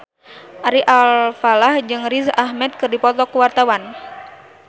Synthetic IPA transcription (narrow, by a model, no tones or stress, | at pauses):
ʔaɾiʔalfalahd͡ʒɨŋɾizaʔahmɛt̪̚kɨrdipɔt̪ɔkuwart̪awan